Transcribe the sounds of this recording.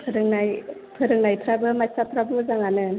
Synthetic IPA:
pʰɯɾɯŋnajpʰɯɾɯŋnajpʰɾabɯmajsapʰɾabɯmɯzaŋanɯ

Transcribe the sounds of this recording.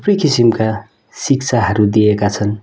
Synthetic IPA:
prikisimka | sik̚t͡sʰaɦʌɾud̪ijekat͡sʰʌn

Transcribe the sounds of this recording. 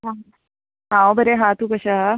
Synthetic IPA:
ɦãɦ | ɦãõbəɾeɦãt̪uːkəɕa

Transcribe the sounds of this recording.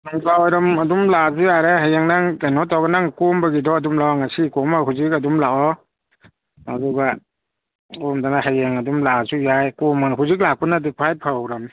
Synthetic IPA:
ŋlawɾɐmɐdumlazujaɾeɦajeŋnaŋtanɔtawɡanaŋkɔmbaɡidɔadumlawɔŋasikɔmaɦuzikadumlaɔ | aduɡa | ɔmdanahajeŋadumlazujajkɔmanɦuzik̬̚lak̚punadipʰajt̚pʰawɾam

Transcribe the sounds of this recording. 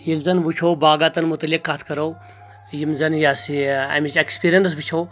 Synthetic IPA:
jilzɐnʋut͡ʃʰoːbaːɡaːt̪ɐnmut̪ɐlikːat̪ʰkɐɾow | jimzɐnjaːsiɐ̰mit͡ʃekspiɾjɐns̬ʋut͡ʃʰoː

